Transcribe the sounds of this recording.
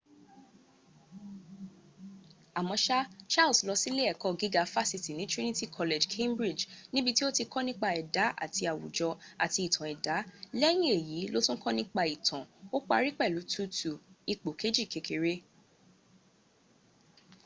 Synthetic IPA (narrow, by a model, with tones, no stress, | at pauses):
a˨mɔ̃˧ʃa˦t͡ʃa˦˨lslɔ˧si˦le˦ɛ˦˨kɔ˦ɡi˦ɡa˧fa˦si˧ti˨nĩ˦tɾi˦nĩ˦ti˦˨kʰɔ˧le˨d͡ʒkʰẽ˦mbɾi˦˨d͡ʒnĩ˦bi˧ti˦o˦ti˧kɔ˦nĩ˦k͡pa˧˨ɛ˨da˨˦ʔa̰˦˨tʰi˧a˨wṵ˨d͡ʒɔ˧a̰˨ti˧i˨tʰã˨ɛ˨da˨˦lɛ˦j̃ĩ˦e˨ji˨˦lo˦tũ˦kɔ̃˦nĩ˦k͡pa˧˨i˨tʰã˨o˦k͡pa̰˧ɾi˦k͡pɛ˦˨lu˨˦tʰu˦tu˨i˨k͡po˨kʰe˨˦d͡ʒi˦˨ke˨˧kʰe˨ɾe˦